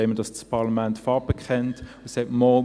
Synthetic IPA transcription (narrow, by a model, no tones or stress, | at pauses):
emədɑsspʰɑʁlɑmɛntfɑpəkχɛntʊsɛtmɔ